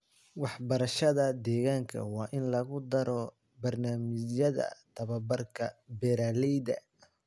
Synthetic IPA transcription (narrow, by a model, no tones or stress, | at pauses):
wɑħbɐɾɐʃɐðɐd̪ɛːɣaːŋkʰɐ̰wɑːʔɪnlɐɣʊd̪ɐɾɔ | bɐrnaːmɪt͡ʃjɐðɐ̰t̪ʰɐβɐbɐrkʰɐbɛɾaːlɛjd̪ɐ̰